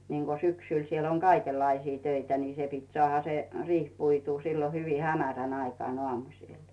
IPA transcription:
niːŋɡ̊o syksyl siel oŋ kɑikelːɑisiː tøitæ ni se pit sŏɑˑhɑ se riːh puituː silːo hyʋi hæmæræn ɑikŏɑˑn oɑˑmusˑil

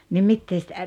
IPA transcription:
ni mitːeː sĭtæ

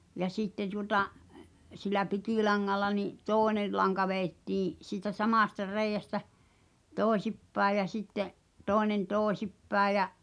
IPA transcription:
jɑ sitːe tuotɑ silˑæ pikiˑlɑŋːɑlːɑ niʔ toˑene lɑŋkɑ ʋeːtːiː siːtæ sɑmɑˑstɑ reijæstæ toˑesipːæej jæ sitːeʔ toenen toːĕsipːæe j̆

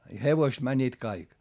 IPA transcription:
i heʋoist mænʲːiːt kɑik

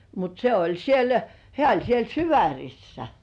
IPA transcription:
mut se olʲ siel hĕæˑ olʲ siel syʋærʲisːæ

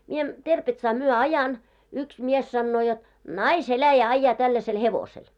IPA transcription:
mie terpetsɑː myø ɑjɑn yks mies sɑnːoː jot nɑiselæjæ ɑĭjːɑː tælːæsel heʋosel

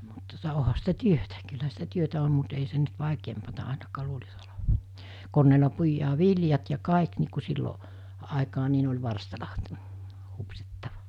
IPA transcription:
mut tuŏtɑ ohɑ sitæ tyøtæ kylhæ sitæ tyøtæ om mut ei sen nyt ʋɑˑikeːmpɑtɑ ɑˑinɑkɑː luːlis oleʋɑ konːeːlɑ puijɑː ʋiljɑt jɑ kɑˑik niː ku silːo ɑˑekɑː ni ne olʲ ʋɑrstɑlɑ hupsitːɑʋɑ

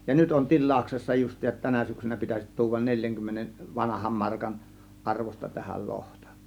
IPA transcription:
jɑ nyt on tilˑɑˑuksesːɑ justˑiːsɑt tænæ syksynæ pitæsit tuːʋɑn nelʲjæŋkymːenen ʋɑnɑhɑm mɑrkɑn ʔɑrʋos̆tɑ tæhæl lohtɑ̥

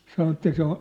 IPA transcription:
sɑno etːæ se o

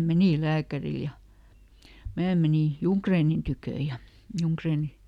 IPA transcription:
meniˑ læːkæril jɑ mæː meniˑ juŋkreːnin tykøˑ jɑ juŋkreːnil̆

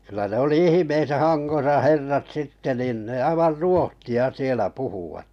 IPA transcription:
ky̆læ ne oli ihĭmeːsæː hɑnɡ̊osɑ herːɑt sitːe niˑn ne ɑiʋɑr ruohtiɑ sielæ puhuwɑt

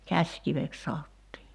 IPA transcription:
kæsʲkiʋek sɑotːiː

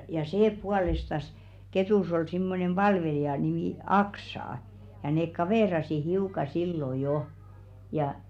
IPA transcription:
jɑ seː puɑlestɑs ketuˑs ol simːonem b̥ɑlʋelijɑ nimiˑ ɑksɑˑ jɑ neːk kɑʋeˑrɑsi hiuˑkɑ silːo jo jɑ

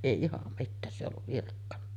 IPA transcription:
eˑi ihɑm mitːæːs se olːuʋ ʋirkːɑnːɑ

